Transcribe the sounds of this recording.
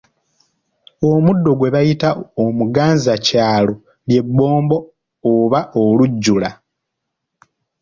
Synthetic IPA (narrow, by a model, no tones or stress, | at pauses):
omudːo̞ɡwe̞βajitaomuɡaːnzacaːlo̞ | lje̞bːo̞ːmbo̞ː | βaʔoluɟːula